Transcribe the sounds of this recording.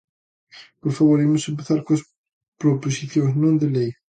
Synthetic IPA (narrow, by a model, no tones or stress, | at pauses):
poɾfaβoɾemʊsẽmpeθaɾkõɐs | pɾoposiθjõwznõnd̪elej